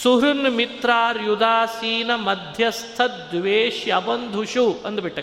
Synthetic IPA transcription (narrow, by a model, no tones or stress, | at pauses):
suɦɾunmit̪ɾaːɾjud̪aːsiːnɐmɐd̪ʱjɐst̪ʰɐt̪d̪ʋeːʃjɐbɐnd̪ʱuʃuɐnd̪ubiʈːɐ